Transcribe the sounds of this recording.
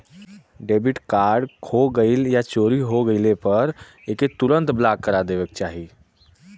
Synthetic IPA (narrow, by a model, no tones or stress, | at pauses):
ɖebiʈkaɾɖkʰoɡəɪljat͡ʃoɾiɦoɡəɪlepəɾ | eket̪uɾənt̪blakkːəɾad̪eʋək̚t͡ʃaɦi